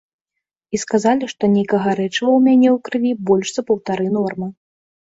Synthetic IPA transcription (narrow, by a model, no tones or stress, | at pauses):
iskazalʲiʂt̪ɔnʲejkɐɣɐɾɛt͡ʂɨvɐwmʲanʲɛwkɾɨvʲibɔlʲʂz̥ɐpɐwt̪aɾɨnɔrmɨ